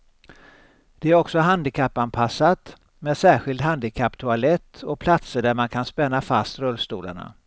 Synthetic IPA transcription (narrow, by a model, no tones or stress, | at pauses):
d̪̥ɛæɾɔksɔɦand̪ɪkʰapːanpʰasːat̪ | meːd̪sæːɧɪld̪hand̪ɪkʰapːt̪ʰʊalɛt̪ʰːɔpʰlat̪səɖæɾmankʰanspɛnːafast̪ɾœlːst̪ṵːla̰ɳa̰